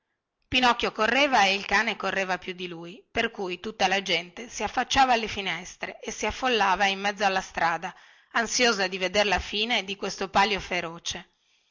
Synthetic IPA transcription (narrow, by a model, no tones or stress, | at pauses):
pinɔkːjokorːeːvaeilkaːnekorːeːvapjud̪ːiluːjperkujt̪ut̪ːalad͡ʒɛnt̪esiafːat͡ʃːaːvaːlːefinɛst̪ɾeʔesiafːolːaːvaimːɛd̪zːoalːast̪ɾaːd̪a | ansjoːzad̪ived̪erlafiːned̪ikwest̪opaljofeɾoːt͡ʃe